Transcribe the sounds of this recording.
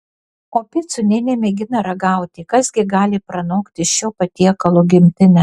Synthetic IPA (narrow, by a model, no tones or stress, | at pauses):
oːpʲɪt̪sʊnʲɛnʲemʲɛɡʲɪnɐɾɐɡɑˑʊt̪ʲɪkɐzɡʲɪɡɑːlʲɪpɾɐnoːkt̪ʲɪʃʲoːpɐt̪ʲiɛkɐlˠoːɡʲɪmʲt̪ʲɪnʲɛ